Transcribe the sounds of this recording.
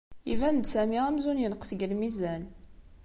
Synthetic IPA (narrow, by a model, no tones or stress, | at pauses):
ḭvænd̪sæmiʁæmzunjənqsəɡəlmizæn